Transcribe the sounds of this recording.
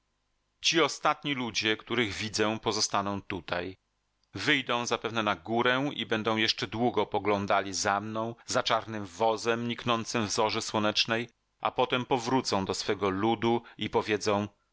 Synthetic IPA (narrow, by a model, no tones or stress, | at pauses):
t͡ɕiɔst̪at̪̚ɲilud͡ʑɛkt̪uɾɘɣvʲid̪zɛ̃pɔzɔst̪anɔ̃w̃t̪ut̪aj | vɘjd̪ɔ̃w̃zapɛvnɛnaɡuɾɛḭbɛnd̪ɔ̃w̃jɛʂt͡ʂɛd̪wuɡɔpɔɡlɔ̃nd̪alʲizamnɔ̃w̃zat͡ʂaɾnɘmvɔzɛmɲiknɔnt̪sɘmvzɔʐɘswɔnɛt͡ʂnɛj | ʔa̰pɔt̪ɛmpɔvɾut̪sɔ̃w̃d̪ɔsfɛɡɔlud̪uipɔvʲjɛd̪zɔ̃w̃